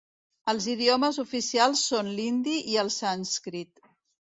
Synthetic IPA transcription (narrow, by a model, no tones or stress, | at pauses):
əlˠziðiɔməzufisialˠsːonlind̪iʔiəlˠsanskɾit̪